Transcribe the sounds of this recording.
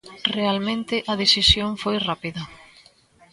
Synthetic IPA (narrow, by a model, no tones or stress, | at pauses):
realmẽnt̪ɪʔɐðesisjoŋfojrapiðɐ